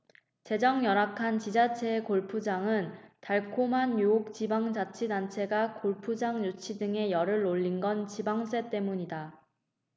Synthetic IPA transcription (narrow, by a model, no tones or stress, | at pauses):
t͡ɕe̞d͡ʑʌŋjʌɾakʰant͡ɕid͡ʑat͡ɕʰe̞ːkoɭpʰud͡ʑaŋɯntaɭkʰomɦanjuok̚t͡ɕibaŋd͡ʑat͡ɕʰidant͡ɕʰe̞ɡakoɭpʰud͡ʑaŋɲut͡ɕʰidɯŋe̞jʌɾɯɭːoʎːinɡʌnt͡ɕibaŋs͈ʰe̞t͈e̞muɲida